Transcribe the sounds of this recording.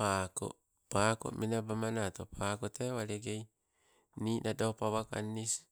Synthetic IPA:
pako̰ | pako̰ʔmʔinabamanat̪opʰakot̪ewaleɡej | ninadopawaka̰nːis

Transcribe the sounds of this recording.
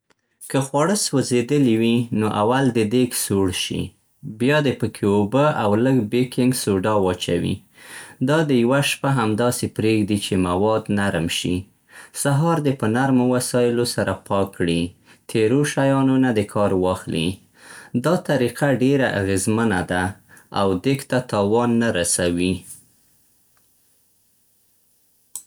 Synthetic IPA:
kəxwɑɽəswəzed̪əliwinoʔawald̪əd̪eɡsoɽʃḭ | bjɑd̪epəkʰeobəawləɡbekɪŋɡsoɖɑwɑt͡ʃa̰wḭ | d̪ɑd̪əjwaʃpaɦamd̪ɑsepɾeɡd̪it͡ʃemawɑd̪naɾmʃḭ | saɦɑɾd̪epənaɾmowasɑjɪlosaɾʔapɑkːɽi | t̪ʰeɾoʃajɑnunad̪əkʰɑɾwɑxlḭ | d̪ɑt̪aɾiqaɖeɾaʔa̰ɣezmənad̪aawd̪ekt̪at̪ɑwɑnːaɾasawi

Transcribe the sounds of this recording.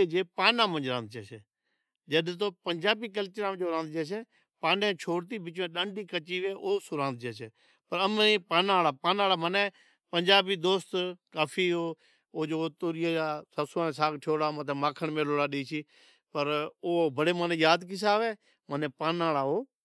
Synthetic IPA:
ed͡ʒeːpaːnãːmə̃nd͡ʒɾãːnd̪t͡ʃeːt͡ʃeː | d͡ʒəɗt̪̬oːpənd͡ʒaːbiːk̬əlt͡ʃəɾãːd͡ʒoːɾãːnd̪d͡ʒeːt͡ʃeː | paːnẽːt͡ʃʰoːɽt̪̬iːbɪt͡ʃʋẽːɗãːɳɖiːkət͡ʃiːʋeːʔoːsʊɾãːnd̪̚t͡ʃeːt͡ʃeː | pəɾəmẽːpaːnaːɽaːpaːnaːɽaːmənẽː | pəɲd͡ʒaːbiːd̪oːst̪kaːpʰiːɦoː | oːd͡ʒoːt̪oːɾɪjeːaːsəsaːẽːsaːkʈʰoːɽaːmət̪ʰeːmaːkʰəɳmẽːloːɽaːɗeːt͡ʃʰiː | pəɾoːbəɽeːmənẽːjaːd̪kɪs̬aːʋeː | mənẽːpaːnaːɽaːoː

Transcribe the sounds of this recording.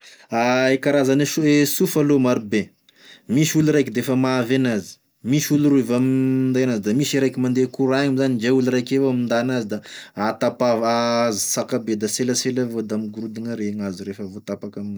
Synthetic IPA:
aekaɾazaneuesufalomaɾube | misuluɾajkid̪efəmavenazi̥ | misuluruvamind̪aanazid̪amisiɾajkimand̪ekuɾaaŋamzanid͡ʒeuluɾajkevomind̪anazid̪aat̪apavazi̥sakabed̪aseləselavod̪amiɡuɾud̪iŋaɾeŋaziɾefəvot̪apakami

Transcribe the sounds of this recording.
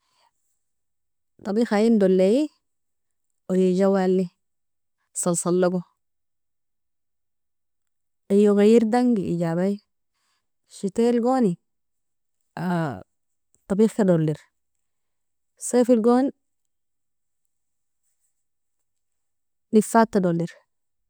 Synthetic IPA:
t̪ɑbiːxajimdolːeji | ojid͡ʒawalːi | sɑlsalːoɡo | ajoɣajiɾdaŋɡiḭd͡ʒabaj | ʃitelɡoːni | a | t̪ɑbiːxkadolːiɾ | sefilɡon | nifat̪ːadolːiɾ

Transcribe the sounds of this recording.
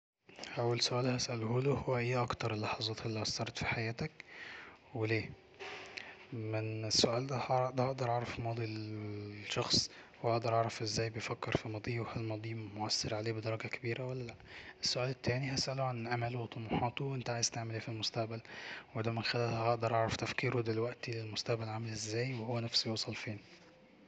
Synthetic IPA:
ʔæwːælsoʔæːlhæsʔælhoːlohowːæʔejːæʔɑkt̪ɑɾˤelːɑħɑzˤɑːt̪elːiʔɑsˤːɑɾˤɑt̪fi̥ħajæːt̪æk | weleː | menesːoʔæːld̪æhɑʔd̪æhɑʔd̪ɑɾˤʕɑʕɾˤɑfmɑːd̪ˤi | ʃɑxsˤwoʔɑʔd̪ɑɾˤʕɑʕɾˤɑfʔezːæːjbejfækːeɾfimɑd̪ˤiːwhælmɑd̪ˤiːmoʕasːɑɾʕaleːbed̪ɑɾˤɑɡækæbiːɾæwælːælæʔʔesːoʔæːlet̪ːæːniɦæsʔæloʕanlʔæmælwet̪ˤːɑmuħɑːt̪uwʔent̪æʕaːjezt̪aʕmeleːfilmost̪æʔbælwed̪æmɪnxælælæʔɑʔd̪ɑɾˤʔɑʕɾˤɑft̪æfkiːɾod̪elwæʔt̪ilelmost̪æʔbælʕamælʔezːæːjweowːænæfsijuːsˤɑlfeːn

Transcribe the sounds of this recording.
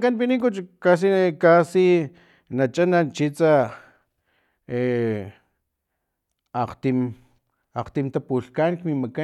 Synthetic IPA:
kanpinikut͡ʃkas̬ikasi | nat͡ʃanant͡ʃit͡sa | e | aqt̪im | aqt̪imt̪apuɬkankmimaka

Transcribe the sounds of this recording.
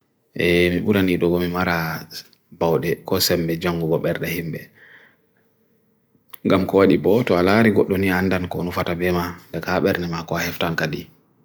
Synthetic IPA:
ʔɛmiɓuɾaniɗɔɡɔmimaɾa | bawɗɛkɔsɛmbɛd͡ʒaŋɡuɡɔɓɛɾɗɛhimbɛ | ŋɡamkɔwaɗibɔtɔalaɾiɡɔɗːɔniandankɔnufatabɛmadɛkaɓɛɾnɛmakɔahɛftankaɗi

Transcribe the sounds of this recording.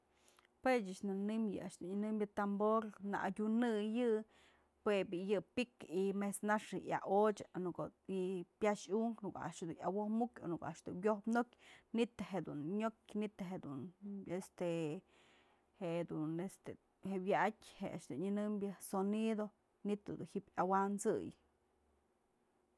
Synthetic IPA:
pet͡ʃat͡ʃnanɨmjɨ̰aʃd̪unɨnɨmbʲjat̪amboɾna̰ʔadʲunɨjɨ | pebijɨpikimesnaʂɨja̰ʔot͡ʃḁnukoipjaʃuŋknuka̰ʔa̰ʔʂd̪unawohmukʲo̰nukoʔa̰ʔʂd̪unwjohpnokʲnit̪eɦeʔd̪unɲok̚ʲnit̪ɦeʔd̪unest̪e | heʔd̪unest̪e | heʔwjaʔakʲheʔa̰ʃd̪unɲɨnɨmbjasonid̪o | nit̪ːod̪unhipʲawant͡sɨ̰j

